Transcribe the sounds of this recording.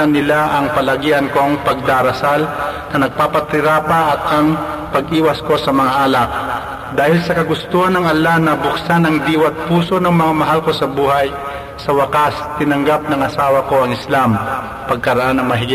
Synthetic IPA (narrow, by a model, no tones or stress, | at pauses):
ɐnːɪlaʔɐŋpɐlɐɡiːʔɐnko̞ŋpɐɡ̚d̪aːɾɐsalnɐnɐɡ̚paːpɐt̪ɪɾapɐʔɐt̪̚ʔɐŋ | pɐɡʔiːwɐsko̞sɐmɐŋaʔalak̚ | d̪aːhɪlsɐkɐɡʊst̪uːhɐnɐŋʔɐlanɐbʊksanɐŋd̪iːwɐt̪̚puːso̞nɐŋmɐŋamɐɦalko̞sɐbuːɦaj | sɐwɐkast̪ɪnɐŋɡap̚nɐŋɐsaːwɐko̞ɐŋɪslam | pɐɡ̚kɐɾɐʔanɐŋmɐɦɪɡɪ